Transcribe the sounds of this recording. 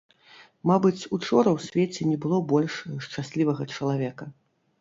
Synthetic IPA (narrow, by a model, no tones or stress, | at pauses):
mabɨt͡sʲut͡ʂɔɾɐwsʲvʲet͡sʲɛnʲɛbɨlˠɔbɔlʲʂʂt͡ʂasʲlʲivɐɣɐt͡ʂɐlˠavʲɛkɐ